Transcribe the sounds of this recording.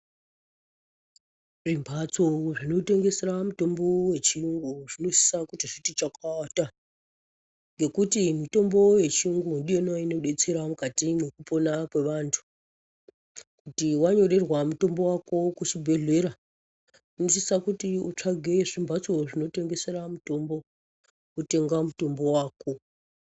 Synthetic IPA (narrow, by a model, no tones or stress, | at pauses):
ʐimbʱat͡soʐino̞te̞ŋɡe̞seɾamuto̞mbo̞we̞t͡ʃiuŋɡuʐino̞si̥sakutiʐitit͡ʃakata | ŋɡe̞kutimito̞mbo̞je̞t͡ʃiuŋɡundijenoino̞ɗe̞t͡se̞ɾamukatimwe̞kupo̞nakwe̞ʋantʰu̥ | kutiwaɲo̞ɾe̞rwamuto̞mbo̞wakokut͡ʃibʱe̞ɮe̞ɾa | unosisakutiut͡ʂaɡʱeʐimbʱat͡so̞ʐino̞te̞ŋɡe̞se̞ɾamuto̞mbo̞ | ute̞ŋɡamuto̞mbo̞waːko̞